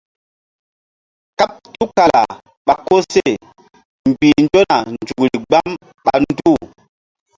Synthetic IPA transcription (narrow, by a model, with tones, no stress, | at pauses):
ka˦p̚tu˦ka˨la̰˨ | ɓa˨ko˦se˦˨ | m˨bi˨nd͡ʒo˦na˨nnd͡ʒu˨kɾi˨ɡ͡ba˦m | ɓa˨n˦du˦˨